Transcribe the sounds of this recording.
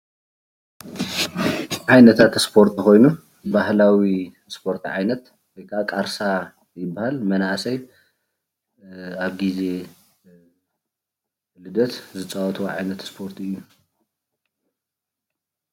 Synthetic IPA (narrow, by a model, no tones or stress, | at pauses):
ʕajnɐt̪ʰat̪spʰo̞ɾt̪ʰiko̞jnu | bahlawi | spʰo̞ɾt̪ʰʕajnɐt̪ | wɔjkʰaʔakʼaɾsa | jɪbːahalmɐnaʔsɐj | aβɡize̞ | lɨd̪ɐt̪zɨt͡sʼawɔt̪ʰʼʕajnɐt̪spʰo̞ɾt̪ʰɨjːu